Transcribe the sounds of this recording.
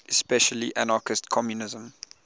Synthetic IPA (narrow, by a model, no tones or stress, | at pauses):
ɛspɛʃəliʔanɑkɪstkʰɔmjunɪzə̃m